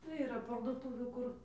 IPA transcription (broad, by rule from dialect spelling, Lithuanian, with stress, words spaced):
tɐɪ iːˈrɐ pɐrdʊˈtuːʋʲuː ˈkʊr